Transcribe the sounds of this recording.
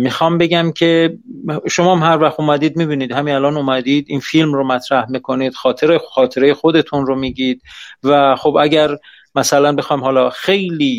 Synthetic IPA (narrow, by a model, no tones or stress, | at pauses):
mixɒːmbe̞ɟæmcʰe̞ | ʃomɒːmhæɾvæxt̪omæd̪iːd̪̚miːbiːniːd̪hæmiælɒːnomæd̪iːd̪iːnfilmromæt̪ʰɾæhmikʰo̞niːd̪̥xɒːt̪ʰeɾexɒːt̪ʰe̞ɾe̞jexod̪e̞t̪ʰunɾomiːɟiːd̪̥̚væxobæɟæɾ | mæsælænbe̞xɒːjmhɒːlɒːxe̞jliː